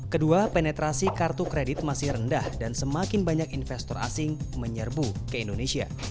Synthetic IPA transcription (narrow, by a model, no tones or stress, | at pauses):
kəduapenɛt̪ɾasikart̪ukɾedɪt̪̚masɪhrəndahdansəmakɪnbaɲakinfɛst̪ɔra̰sɪŋməɲərbukəindonesia̰